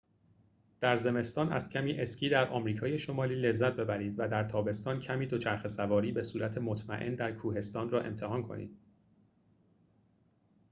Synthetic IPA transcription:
d̪̥æɾze̞me̞st̪ɒːnæ̰z̥cʰæmiːʔe̞scʰʲiːd̪æɾʔɒ̰ːmɾiːkʰɒːje̞ʃo̞mɒːliːle̞zːæt̪̚be̞bæɾiːd̪væd̪æɾt̪ʰɒːbe̞st̪ɒːncʰæmiːd̪o̞t͡ʃʰæɾxe̞sævɒːɾiːbe̞suːɾæt̪ʰemot̪ʰmæ̰ʔe̞̰nd̪æɾkʰuːɦe̞st̪ɒːnrɒːʔe̞̰mt̪ʰe̞ɦɒːnkʰo̞̰nḭːd̪̥̚

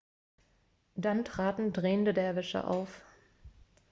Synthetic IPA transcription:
d̥antʁ̥aːtn̩dʁeːəndədɛɐvɪʃə̰ʔa̰ʊf

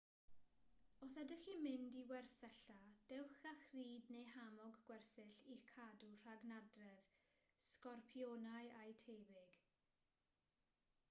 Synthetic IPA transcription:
ɔsadəximɪndiwɛrsɛɬad̥ɛwχaxriːdnejɦamɔɡɡwɛrsɪɬikʰadur̥aɡnadrɛð | skɔrpʰjoːnajajtʰeːbɪɡ̥

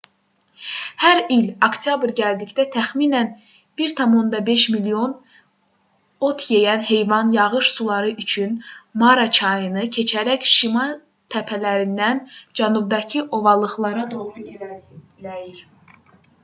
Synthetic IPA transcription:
hæɾilokt̪ʰjɑbɾɟæld̪icd̪æt̪ʰæxmiːnæn | b̥iɾt̪ʰɑmo̞nd̪ɑbe̞ʃmilio̞n | o̞t̪ʰjejænɦe̞jvɑnjɑʁɯʃsulˠɑɾɯʔyt͡ʃʰynmɑɾɑt͡ʃʰɑjɯnɯcʰe̞t͡ʃʰæɾæçʃimɑ | t̪ʰæpʰælæɾind̪ænd͡ʒænub̚d̪ɑcʰiʔo̞vɑlˠɯχlˠɑɾɑd̪oɾu | iɾ

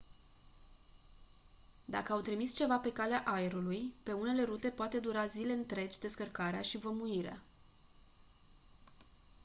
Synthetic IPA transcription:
d̪a̰kəawt̪ɾimist͡ʃe̞vape̞kaleaʔajeɾulujpe̞une̞le̞ɾut̪e̞poat̪e̞d̪uɾazile̞ɨnt̪ɾe̞d͡ʒʲd̪e̞skərkaɾeaʃivəmuiɾea̰

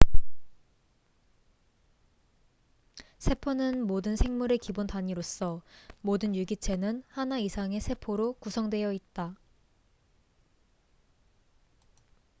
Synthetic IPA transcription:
sʰe̞pʰonɯnmodɯnsʰe̞ŋmuɾe̞kibontaɲiɾos͈ʌmodɯnjuɡit͡ɕʰe̞nɯnhanaisʰaŋe̞sʰe̞pʰoɾokusʰʌŋdwe̞jʌit̚t͈a

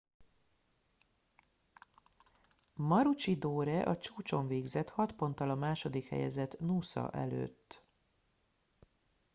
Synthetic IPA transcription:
mɒɾut͡ʃid̪oːɾɛʔɒt͡ʃuːt͡ʃo̞ɱveːɡzɛt̪hɒt̪po̞nt̪ːɒlɒmaːʃo̞d̪ikhɛ̰jɛ̰zɛt̪nuːsɒ̰ʔɛ̰lø̰ːt̪ː

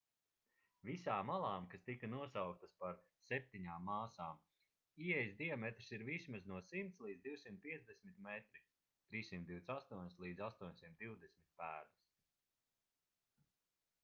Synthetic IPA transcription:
visaːmːalˠaːmkast̪ikanuɔsawk̚t̪aspaɾ | sɛp̚t̪iɲaːmːaːsaːm | iɛjzd̪iɔmɛt̪ɾsiɾvismaznuɔsimt̪slˠiːd̪zd̪iwsimt̪̚pʲiɛzd̪ɛsmit̪mɛt̪ɾi | t̪ɾiːsimt̪d̪iwt̪sast̪uɔɲʲslˠiːd̪zast̪uɔɲsimt̪d̪iwd̪ɛsmit̪̚pæːɾd̪ɨs

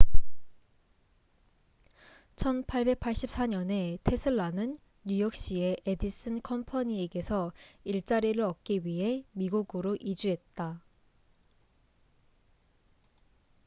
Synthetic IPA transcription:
t͡ɕʰʌnpʰaɭbe̞k̚pʰaɭɕ͈ip̚s͈aɲʌne̞tʰe̞sʰɯɭːanɯnː | ujʌk̚ɕ͈ieʔedis͈ɯnkʰʌmpʰaɲieɡe̞sʰʌiɭt͡ɕ͈aɾiɾɯɾʌk̚k͈iɥiɦe̞miɡuɡɯɾoʔid͡ʑuɦe̞t̚t͈a

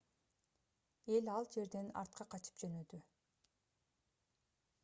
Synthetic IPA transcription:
e̞lɑlˠd͡ʒe̞ɾd̪e̞nɑ̰ɾt̪̚qʰɑqʰɑt͡ʃʰɯ̥pd͡ʒønø̞d̪y

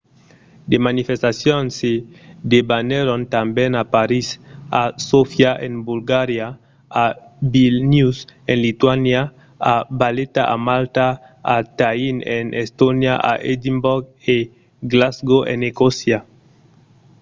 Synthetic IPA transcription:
d̪emanifest̪asjonsed̪ebaneɾont̪ambẽnapaɾisasofjaʔẽŋbulɡaɾja | abilnusẽnlit̪wanja | abalet̪aʔa̰malt̪a | at̪ainenʔest̪onjaʔa̰ʔed̪imboɾɡe | ɡlazɡoʔḛnekosja

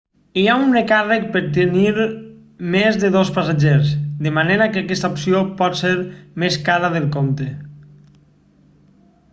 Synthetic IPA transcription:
iaunrekarek̚peɾt̪̬eniɾ | mezðeðospasaʒeɾzd̪emaneɾakeakɛst̪aoupsiopɔt̪seɾmeskaɾaðelˠkont̪e

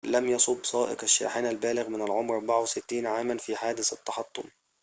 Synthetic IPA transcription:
lamjɑsˤʊbːsˤɑːʔɪ̰qaʃːa̰ːħaːnalbaːlɪɣmɪnalʕʊmɾʔɑɾˤbaʕawsɪt̪ːiːnʕaːmanfiːħaːd̪ɪθɑt̪ːɑħɑt̪ˤːʊ̰m

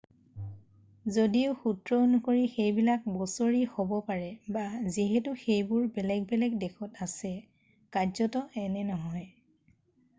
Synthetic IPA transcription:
zodiʊxutɹɔonukoɹixejbilak̚bɔsoɹihobɔpaɹɛbaziɦɛtʊxejbʊɹbɛlɛɡ̚bɛlɛɡ̚dɛkʰɔtasɛ | kazɔtɔɛnɛnɔɦɔj

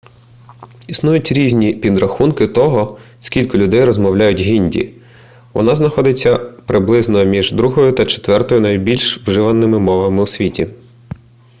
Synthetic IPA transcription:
isnujʊtʲɾʲizʲnʲipʲid̪ɾɐxunkɪt̪ɔɦɔ | skʲilʲkɔlʲʊd̪ɛjɾɔzmɔwlʲajʊtʲɦʲinʲdʲḭ | ʋɔ̰nɑznɐxɔd̪ɪt͡sʲːɐpɾɪblˠɪznɔmʲiʒd̪ɾuɦɔjʊt̪ɐt͡ʃe̥t̪ʋɛrt̪ɔjʊnɐjbʲilʲʃwʒɪʋɐnːɪmɪmɔʋɐmɪʊsʲʋʲitʲi

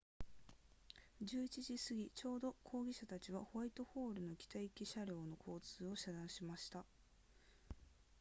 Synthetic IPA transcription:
d͡ʑɨːit͡ɕiʑisɨɡʲit͡ɕo̞ːd̪o̞kʰo̞ːɡʲiɕat̪at͡ɕiβaho̞ait̪o̞ho̞ːɾɯ̟no̞ɡʲi̥t̪aikʲiɕaɾʲo̞ːno̞kʰo̞ːt͡sɨːo̞ɕad̪ãɰ̃ɕimaɕi̥t̪a

